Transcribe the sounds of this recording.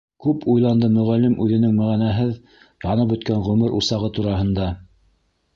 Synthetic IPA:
kʉpujlˠɑnd̪ɤmɵ̆ʁælːɘmʔʉðɘ̆nɘŋmæʁænæɦɘð | jɑnɤp̬ɵ̆t̪kæɴʁɵ̆mɘɾʔusɑʁɤt̪uɾɑɦɤ̆nd̪ɑ

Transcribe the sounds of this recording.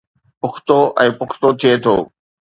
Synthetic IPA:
pʊkʰt̪oʔɛ̃ːpʊkʰt̪ot̪ʰijet̪ʰoː

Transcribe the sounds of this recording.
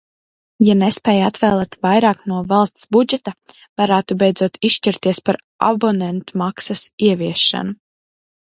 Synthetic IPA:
janespɛːjat̪vɛːlˠɛːt̪vajɾaːknuɔvalˠst̪sbud͡ʒɛt̪a | v̥aɾæːt̪ubɛjd̪zuɔt̪ʰiʃʃt͡ʃiɾt̪iɛspaɾ | a̰bɔnɛnt̪umaksasiɛviɛʃːa̰nu

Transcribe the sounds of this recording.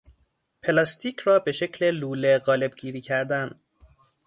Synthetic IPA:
pʰe̞lɒst̪ʰiːcʰrɒːbe̞ʃe̞cʰleluːleɣɒːle̞bɡiːɾiːcʰæɾd̪æn

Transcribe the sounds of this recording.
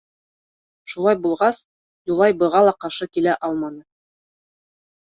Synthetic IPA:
ʃulˠɑjbulˠʁɑs | julˠɑjbɤ̆ʁɑlˠɑqɑʃɤkilæʔɑlˠmɑnɤ

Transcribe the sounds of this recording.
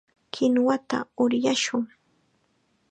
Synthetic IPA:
kʰɪnwat̪a̰ʊɾjaʃʊŋ

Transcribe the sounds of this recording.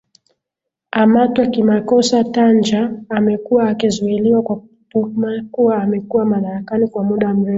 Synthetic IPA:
amatwakimakɔsatand͡ʒaːmɛkuwaːkizuiliwakwakutumakuwaːmɛkuwamaɗaɾakanikwamuɗam̩ɾɛfu

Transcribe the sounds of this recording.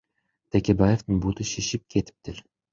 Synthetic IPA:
t̪ʰækʲebajeft̪ɨnbut̪ɨʃeʃip̚kʲʰet̪ʰɪ̥p̚t̪ʰɪɾ

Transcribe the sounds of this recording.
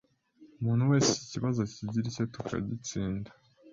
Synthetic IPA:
umuːn̥huwe̞ːseciciβazo̞ciɟiɾicetukʰa̰ɟit͡siːnda

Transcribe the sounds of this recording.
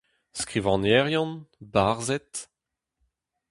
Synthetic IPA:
skʁivɑ̃nɛʁjɔ̃nbaʁzɛt̪

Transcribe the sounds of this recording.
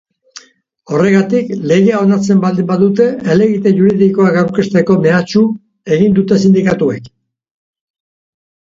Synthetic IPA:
o̞re̞ɣat̪ikle̞ɣe̞ao̞nat͡se̞mbald̪imbaðut̪e̞ele̞ɣit̪eʝuɾiðiko̞akawɾkest̪e̞ko̞me̞at͡ʃu | e̞ɣind̪ut̪e̞sind̪ikat̪ue̞k

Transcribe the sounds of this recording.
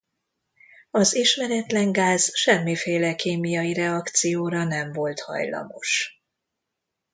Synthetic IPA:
ɒziʃmɛɾɛt̪lɛŋɡaːz̥ʃɛmːifeːlɛkeːmijɒjiɾɛɒkt̪sijoːɾɒnɛɱvo̞lt̪hɒ̰jlɒ̰mo̞ʃ

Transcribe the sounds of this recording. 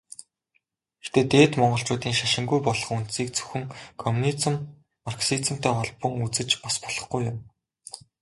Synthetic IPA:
ext̪eːt̪eːt̪mɔɴɢɞ̆ɬt͡ɕʊːt̪iːŋʃaʃɪ̆ŋɡujpɔɮɞ̆χun̥t̪siːk̚t͡sɵ̥xɘ̆ŋkʰɔmunit͡sə̆m | marksit͡sə̆m̥t̪ʰeːɔɮpɞ̆ŋut͡sɘ̆t͡ɕpɔspɔ̥ɮ̥ɞ̆χɡujʊm

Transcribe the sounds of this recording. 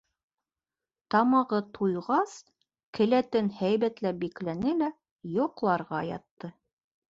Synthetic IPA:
t̪ɑmɑʁɤt̪ʰujʁɑs | kʰɘ̆læt̪ɘnhæjβæt̪læbiklænɘlæ | jŏqlˠɑɾʁɑjɑ̰t̪ːɤ

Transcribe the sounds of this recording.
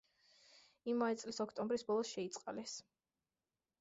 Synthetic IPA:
imaɛt̪sʼlisɔkʰt̪ʼɔmbɾisbɔlˠɔsʃɛit̪sʼqʼalɛs

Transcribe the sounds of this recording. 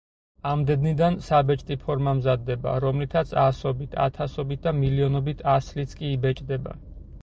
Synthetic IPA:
amd̪ɛd̪nid̪ansabɛt͡ʃʼt̪ʼipʰɔɾmamzad̪ːɛba̰ɾɔmlit̪ʰat̪sʰasɔbit̪ʰa̰t̪ʰasɔbit̪̚d̪amiliɔnɔbit̪ʰaslit̪sʰkʼiːbɛt͡ʃʼd̪ɛba̰

